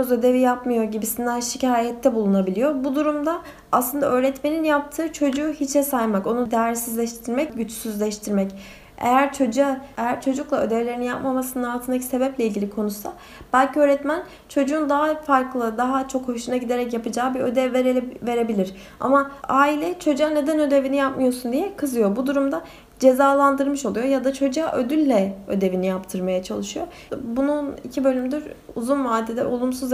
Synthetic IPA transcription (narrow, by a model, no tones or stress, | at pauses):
zø̞d̪e̞vijapmɯjo̞ɾɟibisind̪ænʃicʰaːjɛt̪ʰːɛbulˠunabilʲijo̞bud̪uɾumd̪aː | slˠɯnd̪aʔø̞ːɾɛt̪me̞ninjap̚t̪ʰɯːt͡ʃʰo̞d͡ʒuːhit͡ʃʰɛsajmako̞nud̪æɾsizlʲɛʃt̪ʰiɾmɛcɟyt͡ʃsyzlʲɛʃt̪ʰiɾmɛc | ḛjæɾt͡ʃʰo̞d͡ʒuaejæɾt͡ʃʰo̞d͡ʒuklˠaø̞d̪ɛvlʲeɾininja̰pmamasɯnɯnalˠt̪ʰɯnacse̞bɛplʲɛilʲɟilʲikʰo̞nusa | b̥ælʲcʰiøɾɛt̪mæn | t͡ʃʰo̞d͡ʒuːnd̪aɦafaɾklˠɯd̪aɦat͡ʃʰo̞kho̞ʃunaɟid̪e̞ɾɛcjapɯd͡ʒaːbiø̞d̪ɛveɾve̞ɾebilʲiɾ | a̰maaːilʲɛt͡ʃʰo̞d͡ʒuane̞d̪ænø̞d̪e̞vinijap̚mɯjo̞ɾsund̪ijɛkʰɯzɯjo̞bud̪uɾumd̪a | d͡ʒe̞zaːlˠand̪ɯɾmɯʃo̞lˠujo̞jad̪at͡ʃʰo̞d͡ʒuaʔød̪ylʲːɛø̞̰d̪e̞vinijapt̪ʰɯɾmajat͡ʃʰalˠɯʃɯjo̞ | bununicʰibø̞lʲymd̪yɾ | uzunmaːd̪ːed̪ɛ̰ʔo̞lˠumsuz